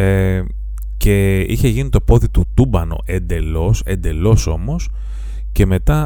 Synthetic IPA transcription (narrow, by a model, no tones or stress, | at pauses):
e | ce̞içe̞ʝinit̪o̞po̞ðit̪ut̪ubɐno̞̰ʔe̞nd̪e̞lo̞se̞̰nd̪e̞lo̞so̞mo̞s | ce̞me̞t̪ɐ